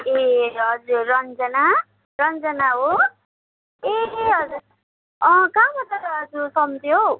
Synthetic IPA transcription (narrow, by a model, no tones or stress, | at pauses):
eʌd͡zuɾːʌnd͡zʌna | rʌnd͡zʌnaɦo | eɦʌd͡zuɾ | ʌkamʌt̪ʌɾd͡zusʌmt̪jow